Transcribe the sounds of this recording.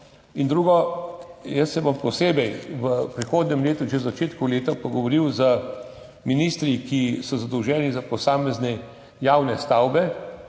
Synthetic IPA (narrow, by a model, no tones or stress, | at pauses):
ind̪ɾuːɡɔ | jəsːɛbɔmpɔseːbɛjʋəpɾixoːd̪nʲɛmleːt̪uʒɛzat͡ʃeːt̪kuleːt̪apɔɡɔʋɔɾiwzə | minist̪ɾikisɔzad̪ɔwʒɛːnizapɔsaːmɛznɛ | jaːwnɛst̪awbɛ